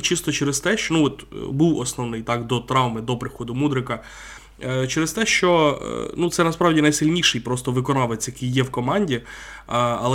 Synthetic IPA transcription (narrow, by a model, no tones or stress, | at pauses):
t͡ʃist̪ɔt͡ʃeɛɾɪz̥t̪ɛʃnuɔt̪buwɔsnɔʋnɪjt̪ɑkd̪ɔt̪ɾɑwmɪd̪ɔpɾɪxɔd̪ʊmud̪ɾɪkɐ | t͡ʃɛɾɪst̪ɛʃt͡ʃɔ̰nut̪sɛnɐspɾɑwdʲinɐjsɪlʲnʲiʃɪjpɾɔst̪ɔʋɪkɔnɑʋet͡sʲjɐkɪjːɛwkɔmɑnʲdʲi | ɐ̰lˠ